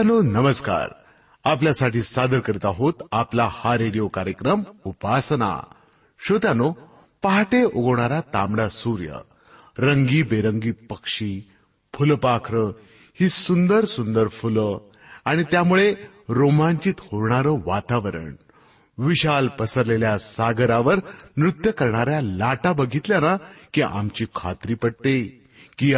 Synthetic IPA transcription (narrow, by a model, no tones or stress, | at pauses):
nonəməska̰ɾ | apljasaʈiːsad̪əɾkəɾit̪aɦot̪aplahaɾeɽijokaɾjəkɾəmupasna̰ | ɕot̪ano | paɦaʈeʔoɡəʋɳ̃aɾat̪amɽasuɾjə̰ | ɾəŋɡiːbeɾəŋɡiːpəkʂiː | fʰulpakʰɾə | hiːsund̪əɾsund̪əɾfulə | aɽ̃it̪jamuɭe | ɾomãɲt͡ɕiːt̪hoɾɳaɾəʋat̪aʋəɾə̰ɳ | ʋiɕalpəsəɾleljasaɡəɾaʋəɾnɾut̪jəkəɾɳaɾjalaʈabəɡʱit̪ljanakiʔa̰mt͡ɕiːkʰa̰t̪ɾiːpəɽ̚t̪e | ki